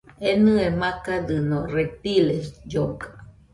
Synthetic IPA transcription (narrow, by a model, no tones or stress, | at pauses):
enɨ̃emãkad̪ɨnõret̪ilesd͡ʒokḁ